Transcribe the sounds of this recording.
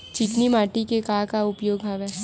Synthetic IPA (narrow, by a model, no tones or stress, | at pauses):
t͡ʃɪknimaːʈikekaːkaʊpjoːɡɦaːʋɛː